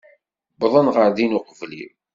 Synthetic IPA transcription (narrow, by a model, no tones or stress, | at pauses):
bðˤənʁəɾðinuqvlḭ